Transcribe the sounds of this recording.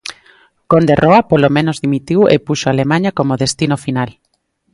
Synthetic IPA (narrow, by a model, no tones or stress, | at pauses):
kond̪erʔoapolomẽnozðimit̪iwḛpuʃoalemãɲakomoðest̪inofinal